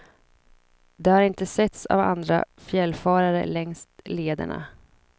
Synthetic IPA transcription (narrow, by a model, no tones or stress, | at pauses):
d̪ɛhaɾɪnt̪əsɛt̪sa̰va̰nd̪ɾa̰fjɛlːfɑːɾaɾə̰lɛŋst̪leːd̪ə̰ɳa̰